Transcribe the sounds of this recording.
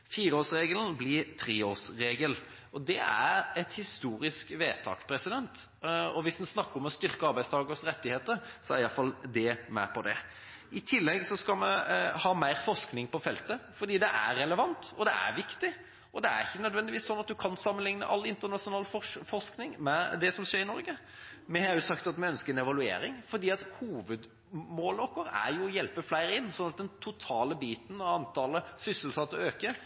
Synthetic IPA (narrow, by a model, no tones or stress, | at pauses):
fiːɾəoːsɾeːɡəln̩blɪɾt̪ʰɾiːoːsɾeːɡəl | ɔd̪ɛæ̰ɾɛt̪hɪst̪uːɾɪskʋeːt̪ʰɑ̰ːkpʰɾɛsɪd̪ɛnt̪ | ɔʋɪsd̪ɛnsnɑkːəɾɔmɔst̪ʏɾkəɑɾbæɪst̪ɑːɡəsɾɛt̪ːɪheːt̪əɾsɔæɾɪjɑfɑld̪ɛmæ̰pʰɔd̪ɛ̰ | ɪt̪ʰɪlːɛɡsɔskɑmɛhɑːmæɪɾfɔʂknɪŋpɔfɛlt̪əfɔɾd̪iːd̪ɛʔæ̰ɾːɛləʋɑnt̪ɔd̪ɛæ̰ɾʋɪkt̪ɪ | ɔd̪ɛæ̰ɾɪçːənœd̪ʋɛnd̪ɪʋiːsːɔnːɑt̪̚d̪ʉkʰɑnsɑmːənlɪŋnə̰ʔɑlːɪnt̪əʁnɑʂʊnɑːlffɔʂknɪŋmɛd̪ɛsɔmʂeːɾɪnɔɾɡə | mɛhɑɾjʊsɑkt̪ɑt̪mɛœnskəɾɛnɛʋɑlʉḛːɾɪŋfɔɾd̪iːɑt̪huːʋəd̪ | moːlɔkːɔɾæ̰ɾjʊɔjɛlpəflæɪɾɪnːsɔnɑt̪̚d̪ɛnt̪ʰʊt̪ʰɑːləbiːt̪ən̩ɔɑnt̪ʰɑːləsʏsəlsɑt̪ːəøːkə